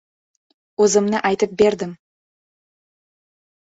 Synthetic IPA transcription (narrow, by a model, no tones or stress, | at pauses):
ɵzəmnəʔɑjt̪əp̚be̞ɾd̪ɪm